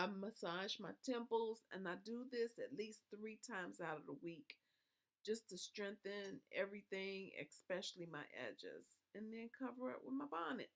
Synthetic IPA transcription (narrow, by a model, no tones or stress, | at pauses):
ãɪmːəsɑʒmaɪtʰɛ̃mpl̩ˠzɨ̰̃naɪdəðɪsɨtˡlisθɹitʰãɪ̃mzaʊɾʌvðəwik | d̥ʒ̥ʌstʰɨstɹ̥ɛ̃ŋk̚θɨ̃nɛvɹiθɪ̃ŋɪ̰kspɛʃl̩ˠimaɪʔɛ̰d͡ʒɪ̰z̥ | ɨ̃nðɨ̃nkʰʌvə˞ɪ̰ʔ̚wʔə̰ðmaɪbɑnɨ̰t̚